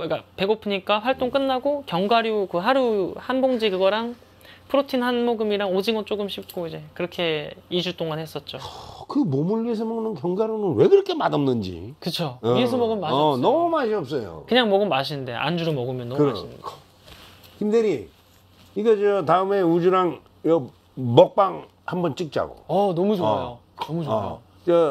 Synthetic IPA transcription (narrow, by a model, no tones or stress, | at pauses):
k͈ape̞ɡopʰɯɲik͈aɸwaɭt͈oŋk͈ɯnːaɡokjʌŋɡaɾjukɯɦaɾuhanboŋd͡ʑikɯɡʌɾaŋ | pʰɯɾotʰinhanmoɡɯmiɾaŋod͡ʑiŋɡʌnt͡ɕ͈oɡɯmɕʰip̚k͈oid͡ʑe̞kɯɾʌkʰe̞id͡ʑut͈oŋanhes͈ʌt̚t͡ɕ͈okɯmomuɭːies̬ʰʌmʌɡɯnɯnkjʌŋɡaɾjonɯnwe̞ɡɯɾʌkʰe̞madʌmnɯnd͡ʑḭkɯt͡ɕʰoiesʰomʌɡɯmːaɕnʌmumaɕʰiʌp̚s͈ʌjo̰kɯɲaŋmʌɡɯmːaɕ̬ʰinnde̞̰ʔa̰nd͡ʑuɾɯmʌɡɯmjʌnːʌmɯmaɕinnd | kimdeɾi | iɡed͡ʑʌtaɯme̞ud͡ʑuɾaŋ | jʌ | mʌk̚p͈aŋ | hambʌnt͡ɕ͈ɯk̚t͡ɕ͈a̰ɡo̰ʌnʌmud͡ʑoajo | nʌmud͡ʑo | d͡ʑʌ